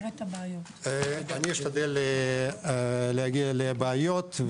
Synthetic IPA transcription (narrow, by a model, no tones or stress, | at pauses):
anʲiiʃt̪ad̪elːe | lehaɡialebeːjot̪